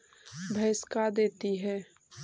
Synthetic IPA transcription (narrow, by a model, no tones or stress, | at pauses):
bʱɐskad̪eːt̪iɦɛː